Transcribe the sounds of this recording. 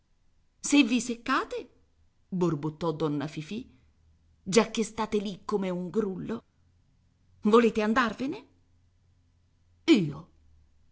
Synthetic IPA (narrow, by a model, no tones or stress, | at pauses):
sevːisekːaːt̪e | borbut̪ːɔd̪ːɔnːafifi | d͡ʒakːest̪aːt̪elikːomeuŋɡɾulːo | voleːt̪eand̪arvene | iːo